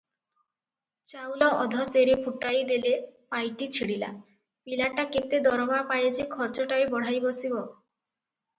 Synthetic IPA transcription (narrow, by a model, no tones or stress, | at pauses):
t͡ɕawlɔɔd̪ʱɔseɾepʰuʈajd̪elepajʈit͡ɕʰiɽila̰ | pilaʈaket̪ed̪ɔɾɔmapajet͡ɕʰekʰɔɾt͡ʃɔʈaebɔɽ̤ajbosibɔ